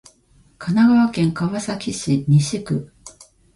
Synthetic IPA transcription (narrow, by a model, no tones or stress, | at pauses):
kʰanaɡaβakẽ̞ŋkaβasakʲiɕiɲiɕikɯ̟